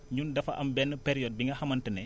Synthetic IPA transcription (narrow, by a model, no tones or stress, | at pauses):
ɲundɐfɐʔɐmbɛnːəpeɾijɔd̚biŋɡɐhɐmɐntənɛ